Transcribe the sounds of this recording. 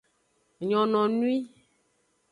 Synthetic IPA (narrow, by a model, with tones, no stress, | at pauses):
ɲɔ̃˨nɔ̃˨nũ˦i˦